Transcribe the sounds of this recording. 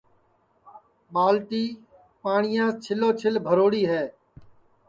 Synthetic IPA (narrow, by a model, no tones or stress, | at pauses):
ɓaːlʈ̪iː | paːɳɪjãːt͡ʃʰɪloːt͡ʃʰɪlbʱəɾoːɽiːɦɛː